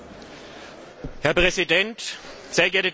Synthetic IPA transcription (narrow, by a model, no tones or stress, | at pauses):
hɛɐpʁ̥ɛzidɛnt | z̥eːɐɡɛɐtə